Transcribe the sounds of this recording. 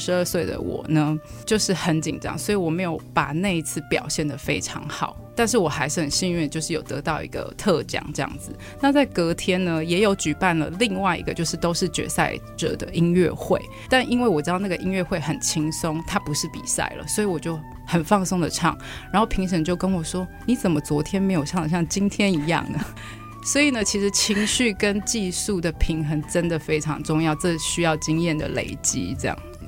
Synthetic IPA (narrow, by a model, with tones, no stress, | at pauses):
ʂɻ̩˧˦ə˞˥˧swe˥˩ɪd̪ə̰˨˩wɔ̰˨˩nə˦t͡ɕjo˥˧ʊʂɻ̩˥˩xə˨˦nt͡ɕḭ˨˩nʈ͡ʂɑ̰˧˦ŋswɔ˧˥i˨wɔ˨˩me˧˥ɪjo˧˦ʊpa˨˩ne˥˧ɪi˧˥t͡sʰɹ̩˥˩pjɑ̰˨˩ʊɕjɛ˥˩nd̪ə˨˩fe˥ɪʈ͡ʂʰɑ̰˧˥ŋxɑ˨˩˦ʊt̪a˥˧nʂ̬ɻ̩˥˩wɔ˨˩xa˧˥ɪʂɻ̩˥˩hə˨˩nɕi˥˧nɥɛ˥˧t͡ɕjo˥˧ʊʂɻ̩˥˩jo˨˩ʊt̪ɤ̰˧˥t̪ɑ˥˩ʊʔḭ˧˥ɡə̰˧t̪ʰɤ˥˧t͡ɕjɑ̰˨˦ŋʈ͡ʂɤ˥˧jɑ̰˥˩ŋd͡zɹ̩˩ | na˥˧t͡sa˥˩ɪkɤ˧˥t̪ʰjɛ˥nnə˨jɛ˧˥jo˧˥ʊt͡ɕy˨˩pa˥˩nlə̰˩li˥˧ŋwa˥˩ɪḭ˧ɡə˧t͡ɕjo˥˧ʊʂɻ̩˥˩t̪o˥ʊʂɻ̩˥˩t͡ɕɥɛ̰˧˥sa̰˥˧ɪʈ͡ʂə̰˨˩d̪ə̰˦i˦˥nɥɛ̰˥˧xwe˥˩ɪ | t̪a˥˧nʔi˥nwe˥˩ɪwɔ˨˩ʈ͡ʂɻ̩˥ɑ˥˧na˥˩ɡə˩ʔi˦˥nɥɛ˥˧xwe˥˩ɪxə˨˩nt͡ɕʰi˥ŋsʊ˥ŋt̪ʰa˥pu˧˦ʂɻ̩˥˩pḭ˨˩sa̰˥˩ɪlə̰˩swɔ˧˥i˧˥wɔ˨˩t͡ɕjo˥˩ʊ | xə˨˩nfɑ˥˧ŋsʊ˥ŋd̪ə˨ʈ͡ʂʰɑ̰˥˩ŋ | ɻa˧˥nxo˥˩ʊpʰi˧˥ŋʂ̬ə˧˥ŋt͡ɕjo˥˩ʊkə˥nwɔ˨˩ʂwɔ˥ni˨˥t͡sə˨˩nmə˦t͡swɔ˧˥t̪ʰjɛ˥nme˧˥ɪjo˨˩ʊʂjɑ˥˨ŋd̪ə˩ɕjɑ˥˩ŋt͡ɕi˥nt̪ʰjɛ˥ni˧˥jɑ̰˥˨˩ŋnə˩ | swɔ˧˥i˨˩nə˦t͡ɕʰi˧˥ʂɻ̩˨˥t͡ɕʰi˧˥ŋɕy˥˩kə˦nt͡ɕi˥˧su˥˩d̪ə˩pʰi˧˥ŋxə˧˥nʈ͡ʂə˦˥nd̪ə˨fe˥ɪʈ͡ʂʰɑ̰˧˥ŋʈ͡ʂʊ˥˧ŋjɑ˥˧ʊʈ͡ʂɤ˥˧ɕy˥jɑ˥˩ʊt͡ɕi˥ŋjɛ˥˩nd̪ə̰˩lḛ˨˩ɪt͡ɕḭ˦˥ʈ͡ʂe˥˧jɑ̰˥˩ŋ˩